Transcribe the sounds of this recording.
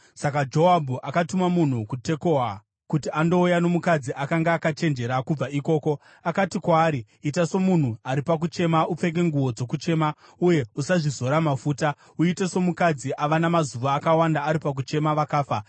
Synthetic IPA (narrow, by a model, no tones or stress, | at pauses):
sakad͡ʒo̞abʱuʔakatumamun̤ukute̞ko̞ɦa | kutiando̞ujano̞mukad͡ziʔakaŋɡaːkat͡ʃe̞nd͡ʒe̞ɾakub͡vaiko̞ːko̞ | akatikwaːɾiːtaso̞mun̤uaɾipak̬ut͡ʃe̞maup͡fe̞k̬e̞ŋɡuwo̞d͡zo̞kut͡ʃe̞ːma | uje̞usaʐizo̞ɾamafuːta | uiteso̞mukad͡ziʔaʋanamazuʋaːkawandaːɾipak̬ut͡ʃe̞maʋakaːfa